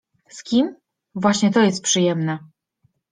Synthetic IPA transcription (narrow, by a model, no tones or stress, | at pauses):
skʲim | vwaɕɲɛt̪ɔjɛst̪̚pʂɨjɛmnɛ